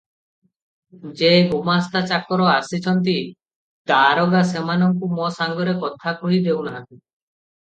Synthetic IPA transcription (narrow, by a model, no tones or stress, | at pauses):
d͡ʒeɡumast̪at͡ʃakɔɾɔasit͡ʃʰɔnt̪̬i | d̪aɾɔɡasemanɔŋkumɔsaŋɡɔɾekɔt̪ʰakuɭid̪ewna